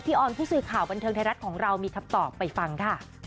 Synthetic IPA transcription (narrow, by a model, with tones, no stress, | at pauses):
t̪ʰiː˥˩ʔɔː˨˧˩npʰuː˥˩sɯː˨˩kʰaː˨˩wba˧nt̪ʰɤː˧ŋt̪a˧jɾa˦˥t̪̚kʰɔː˩˦ŋɾa˧wmiː˧kʰa˧mt̪ɔː˨˩pːa˧jfa˧ŋkʰa˥˩